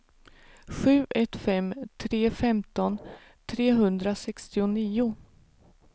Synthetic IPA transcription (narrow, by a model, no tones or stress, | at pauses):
ɧʉ̟ːʔɛt̪fɛmt̪ʰɾeːfɛmt̪ɔn | t̪ʰɾeːɦɵnd̪ɾasɛkst̪ɪʊniːʊ